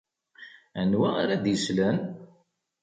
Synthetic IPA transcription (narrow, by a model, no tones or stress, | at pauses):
ænwæaɾæd̪jəslən